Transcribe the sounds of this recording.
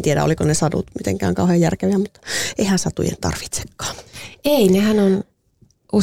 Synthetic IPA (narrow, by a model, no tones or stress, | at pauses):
t̪ieɾæ̰o̰likonesɑdṵt̪mit̪ḛŋkæ̰ːŋkɑuhejjærkeʋiæmut̪ːɑ̥eihænsɑt̪ṵjḛnt̪ɑ̰rʋi̥t̪se̥kːɑ̥ːeinehænon | u